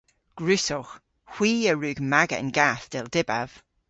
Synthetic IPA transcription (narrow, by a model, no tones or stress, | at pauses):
ɡ̥ɹʉsɔx | hw̥iːəɹʉːɡmaɡə̰nɡaθd̥ɪlˠd̥ɪbav̥